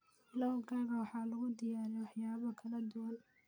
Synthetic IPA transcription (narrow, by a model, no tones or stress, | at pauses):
ɪlɐwɡʰaːɣɐwɑħɑːlʊɣʊd̪ɪjaːɾijwɑħjaːβɐkʰɐlɐd̪ʊwɐl